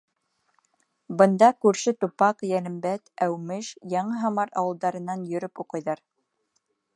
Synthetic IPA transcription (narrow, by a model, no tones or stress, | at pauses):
bɤ̆nd̪ɑkʉɾʃɘt̪upɑqjælɘ̆mbæt̪æwmɘʃjɑɴɤɦɑmɑɾɑ̰wɤ̆lˠd̪ɑɾɤ̆nɑnjɵ̆ɾɵpuqɤ̆jðɑɾ